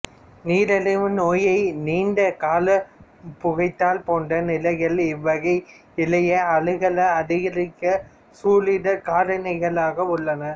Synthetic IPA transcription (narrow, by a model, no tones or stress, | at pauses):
niːɾɐlɐʋɯnoːjɐɪniːnɖɐkaːlɐpʊɣɐɪt̪ːaːlpoːɳɖɐnɪlɐɣɐlɪʋːɐɣɐɪ | ɪlɐjɐɐɭɯɣɐɭɐɐðɪɣɐɾɪkːɐ | suːlɪɽɐkaːɽɐnɐɪɣɐɭaːɣɐʊɭːɐnɐ